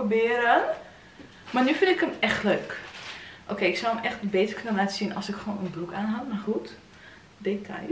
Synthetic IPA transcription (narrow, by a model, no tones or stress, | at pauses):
obɪːəɾən | marnyfɪntɪkəmɛxtløːk | ʔo̰keːɪksɔwəmɛxtbeːtərkønənlaːtəsinɔsɪkxəʋoːnənbrukaːnɦatmarxut | deːtʰa̰j